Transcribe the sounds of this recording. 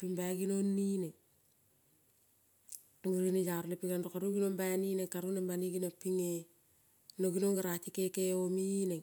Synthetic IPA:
pimbaɡinonːine | oŋuɾinejaɾlepiɡanɾokaɾuɡinombajninekaɾunabaniɡinapːiŋe | noɡinoŋɡaɾatikekeomine

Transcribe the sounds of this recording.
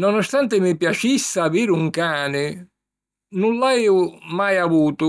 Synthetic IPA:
nɔnɔst̪ant̪ɪmɪpjat͡ʃisːaːviːɾuŋkaːnɪ | nulːaɛːʊmajavuːt̪ʊ

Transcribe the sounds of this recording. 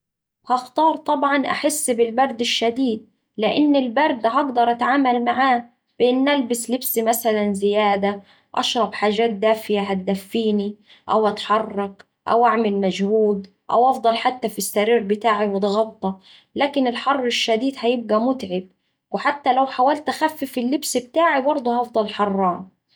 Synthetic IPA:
whɑxt̪ɑːɾˤt̪ˤɑbʕɑnʔa̰ħɪsːbɪlbɑɾˤd̪ɪʃːad̪iːd̪̚ | lɪʔɪnːɪlbɑɾˤd̪ɦɑɡd̪ɑɾˤʔat̪aʕaːmalmaʕaː | b̥ɪʔɪnːʔalbɪslɪbsimasalanzɪjaːd̪a | ʔɑ̰ʃɾˤɑbħaːʒaːt̪̚d̪aːfɪjaɦat̪̚d̪afːiːni | ʔawʔat̪ħɑrˤːɑq | ʔa̰wʔaʕmɪlmaʒhuːd̪ | ʔa̰wʔɑfd̪ˤɑlħat̪ːafisːaɾiːɾbɪt̪aːʕiwɪt̪ɣɑbt̪ˤːɑ | laːkɪnɪlħɑrˤːɪʃːad̪iːd̪hajɪb̚ɡæmʊt̪ʕɪb̚ | wɪħat̪ːalawħawaːlt̪axafːɪfɪlːɪbsbt̪aːʕibɑɾˤd̪ˤʊhɑfd̪ˤɑlħɑrˤːɑːn

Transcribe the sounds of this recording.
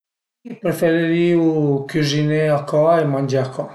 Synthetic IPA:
ipɾefeɾeɾiukyzineakɔemand͡ʒeakɔ

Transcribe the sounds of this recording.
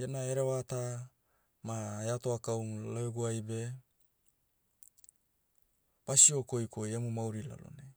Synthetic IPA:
janaeɾewata | maeatoakawmlaeɡuajbe | b̥asiokojkojemumawɾila̰lo̰ne

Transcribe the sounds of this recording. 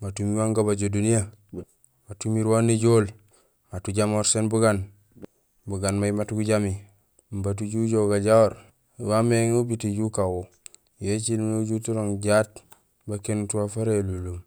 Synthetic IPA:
matumiwaŋɡabaɟodunija | matumiɾwaniɟoːl | matuɟamoɾsenbuɡan | buɡanmajimatɡuɟami | mbat̬uɟuɟoɡaɟawoɾ | wameŋubitiɟukawo | jet͡ʃinunoɟutuɾoŋɟat | bakenutuwafaɾelulum

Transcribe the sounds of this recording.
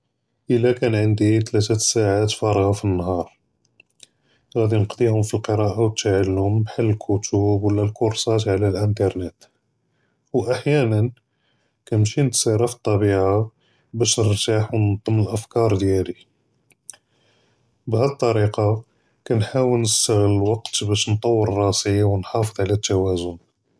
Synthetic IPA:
ʔəlːækænʕənd̪it̪læt̪æsaʕat̪fɑɾˤɣafinːɦɑɾˤ | ɣæd̪inəqd̪ihʊmfilqəɾˤɑʔawt̪aʕalːʊmːħalːəlkʰʊt̪ubwəlːælkʊɾsˤɑt̪ʕlælʔənt̪ɑɾˤnet̪ | wʔaħjænən | kæmʃinət̪siɾˤɑft̪ˤːɑbiʕa | bæʃnəɾt̪aħwnt̪ˤəmːəlʔəfkɑɾˤd̪jæli | bhæd̪t̪ˤːɑɾiqɑ | kænħawəlnəst̪əɣlwɑqt̪bæʃnt̪ˤɑwːəɾrˤːɑsəjawənħɑfəd̪ˤʕlæt̪ːæwæzʊn

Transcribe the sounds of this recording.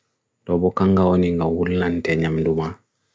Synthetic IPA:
dɔbɔkaŋɡaɔniŋɡawulːantɛɲamduma

